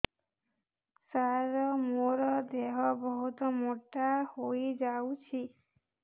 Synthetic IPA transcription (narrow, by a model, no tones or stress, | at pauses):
saɾɔmoɾɔd̪eɦɔbɔɦut̪ɔmoʈahojd͡ʒawt͡ʃʰi